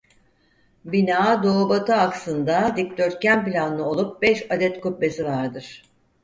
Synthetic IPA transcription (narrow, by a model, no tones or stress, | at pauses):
binaːd̪o̞ːbat̪ʰɯaksɯnd̪ad̪ik̚d̪ø̞ɾt̪̚cænplʲanɯnˠɯo̞lˠup̚bɛʃad̪ɛt̪kup̚be̞sivaɾd̪ɯɾ̥